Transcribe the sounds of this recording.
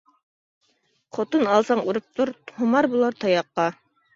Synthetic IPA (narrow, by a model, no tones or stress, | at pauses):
qʰot̪ɤnɑlˠsɑɴuɾɤp̚t̪oɾhumɑɾbulˠɑɾt̪ʰɑjɑqːɑ